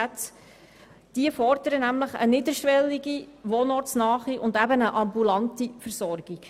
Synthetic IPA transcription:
æt | d̥iəfɔɾd̥əɾənæmləχə̰nɪdəɾʃʋɛlːiɡiʋonɔɾt͡snɑːχiʔʊndæbənəʔɑmbulɑntifəɾsɔɾɡ̥iɡ̥

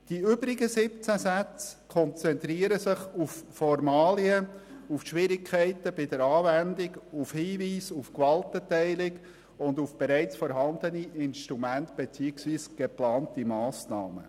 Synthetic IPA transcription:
d̥iʏbɾɪɡəsɪp̚t͡sæsæt͡skʰɔnt͡sɛnt̪ɾiəɾəsɪχufːɔɾmɑːliəufʃʋɪɾɪkʰχɛɪtəb̥ɪd̥əɾɑːvændɪɡufhiːviːsufkʋɑltətɛɪlɪk | ʊnd̪ufb̥eɾæɪt͡sfɔɾɦɑnd̪əniʔɪnʃtɾumæntb̥et͡siːəksviːsɡ̥eplɑːntimɑːsnɑːmə̰

